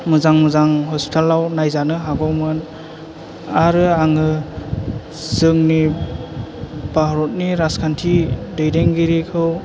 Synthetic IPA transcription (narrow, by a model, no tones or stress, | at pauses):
mɯzaŋmɯzaŋɦɔspi̥tʰalːawnajzanɯɦaɡɔwmɯn | aɾɯaŋɯ | z̥ɯŋni | baɦɾɔt̚niɾaskʰantʰidɯjdeŋɡiɾikʰɯw